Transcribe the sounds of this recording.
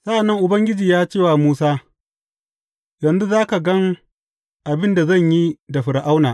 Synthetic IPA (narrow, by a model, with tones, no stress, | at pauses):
sa˦ʔa˨nːɐ˦ŋʔʊ˨bɐ˦ŋɡʲɪ˦d͡ʒiː˨jaː˦t͡ʃeː˦˨waː˨muː˦saː˦ | jɐ˨nzu˦zaː˦ka˨ɡɐ˦ŋ | ʔa˨bɪ˦nda˨zɐ˦˨ɲji˦da˨ɸɪ˨ɾa˨ʔa˦wnaː˨ʔ